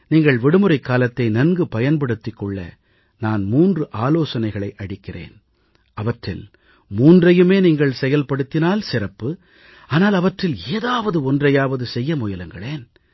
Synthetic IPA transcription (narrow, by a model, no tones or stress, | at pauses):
niːŋɡɐɭʋɪɽɯmɯɾɐɪkːaːlɐt̪ːɐɪnɐnɡɯpɐjɐnpɐɽɯt̪ːɪkːɔɭːɐ̰ | naːnmuːndrɯʔaːloːsɐnɐɪɣɐɭɐɪʔɐɽɪkːɪrḛːn | ɐʋɐʈrɪl | muːndrɐjɯmeːniːŋɡɐɭsɛjɐlpɐɽɯt̪ːɪnaːlsɪrɐpːɯ | aːnaːlɐʋɐʈrɪleːðaːʋɐðɯɔndrɐjaːʋɐðɯsɛjːɐmʊjɐlɯŋɡɐɭeːn